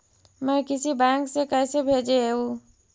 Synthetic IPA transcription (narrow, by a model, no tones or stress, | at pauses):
mɛ̃ːkɪsibɛ̃ːŋksekɛːsebʱeːd͡ʒeo